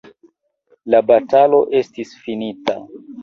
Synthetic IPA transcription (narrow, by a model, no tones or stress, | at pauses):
labatalo̞ʔe̞stisfinita̰